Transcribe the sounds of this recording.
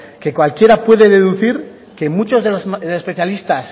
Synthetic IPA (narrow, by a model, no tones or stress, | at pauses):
ke̞kwalkje̞ɾapwe̞ðe̞ðe̞ðuθiɾ | ke̞mut͡ʃo̞zðelosðespeθjalist̪as